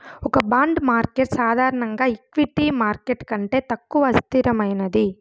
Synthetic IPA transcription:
ɔkɐbaːɳɖmaːɾkeʈsaːd̪ʱaːɾɐɳɐŋɡaːikʋiʈimaːɾkeʈkɐɳʈe̞t̪ɐkːuʋɐst̪ʰiɾɐmɐjnɐd̪i

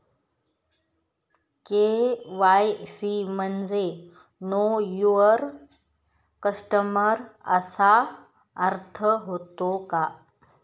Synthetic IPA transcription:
keʋaːjsimənd͡ʒe | noːjuəɾ | kəsʈəməɾɐ̰sa | əɾt̪ʰəɦoːt̪okaː

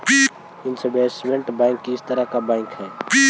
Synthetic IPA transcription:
ɪnsebeːsmẽɳʈbãɪŋkːiɪst̪əɾakabãɪŋkɦɛː

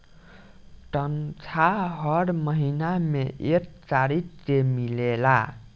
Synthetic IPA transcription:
ʈʌnt͡sʰaɦʌɾmʌɦinameʔek̚t͡saɾitt͡semilela

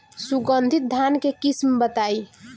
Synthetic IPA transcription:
suɡənd̪ʱit̪̚d̪ʱankekismbət̪aj

